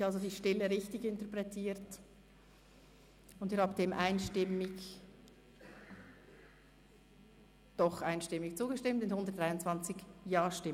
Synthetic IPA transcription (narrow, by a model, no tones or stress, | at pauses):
alzodiːʃtɪləʁɪçtɪçɪntəɐpʁɛtʰiːɾt | ʊndiːɾhaːbəd̥eːmʔaɪnʃtɪmɪç | d̥ɔχʔaɪnʃtɪmɪçt͡suːɡəʃtɪmtɪnhʊndətdʁaɪʊntt͡sv̥ant͡sɪçjaːʃtɪ